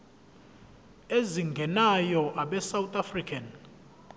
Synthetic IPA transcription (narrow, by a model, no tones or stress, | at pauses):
eziŋɡʱɛnajɔʔaɓɛsawt̪ʼafrikʰan